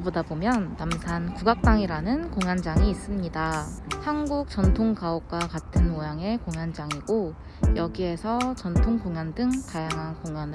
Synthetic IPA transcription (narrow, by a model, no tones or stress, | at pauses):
bodabomjʌnːamsʰankuɡak̚t͈aŋiɾanɯnkoŋjand͡ʑaŋiːs͈ɯmɲidahanɡuk̚t͡ɕ͈ʌntʰoŋkaop̚k͈wakatʰɯnmojaŋe̞koŋjand͡ʑaŋiɡo | jʌɡie̞sʰʌt͡ɕʌntʰoŋkoŋjandɯŋtajaŋɦankoŋan